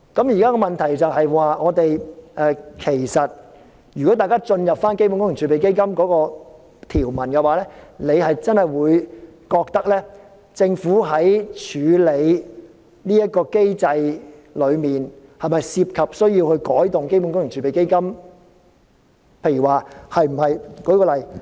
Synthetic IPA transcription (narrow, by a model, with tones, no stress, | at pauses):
kɐ˨˥mjiː˨kaː˥kɔː˧mɐ˨nt̪ʰɐ˨˩jt͡sɐ˨wɦɐ˨jwaː˨˧ŋɔː˨˧t̪e˨jʔɛː˧kʰe˨˩jsɐ˨t̚ | jy˨˩ɔ˨˥t̪aː˨jkaː˥t͡ʃɵ˧njɐ˨p̚faː˥nke˥jpu˧˥nkʊ˥ŋjŋt͡ʃʰyː˨˧pe˨jke˥jkɐ˥mkɔː˨˥kɔː˧ | t̪ʰiː˨˩wmɐ˨˩nkɛ˧waː˨˥lɛː˥ne˨˧jhɐ˨jt͡sɐ˥nhɐ˨˩jwuː˨˧jkɔː˧k̚t̪ɐ˥k̚lɛː˥ | t͡sɪ˧ŋfuː˨˥ɦɐ˨˥jt͡ʃʰyː˨˧le˨˧j | niː˥jɐ˥t̚kɔː˧ke˥jt͡sɐ˧jlɵ˨˧ɥmiː˨nhɐ˨jmɐ˨jsiː˧p̚kʰɐ˨p̚sɵ˥ɥji˧whɵ˧ɥkɔː˨˥jt̪ʊ˨ŋke˥jpu˧˦˥nkʊ˥ŋɪ˨˩ŋt͡ʃʰyː˨˧pe˨jke˥jkɐ˥m | pʰe˧jy˨˩waː˨hɐ˨jm̩˨˩hɐ˨jkɔː˨˥kɔː˧lɐ˨˩j